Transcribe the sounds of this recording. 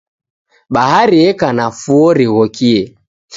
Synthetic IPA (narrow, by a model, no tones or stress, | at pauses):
ɓaɦaɾiɛkanafuɔɾiɣɔkiɛ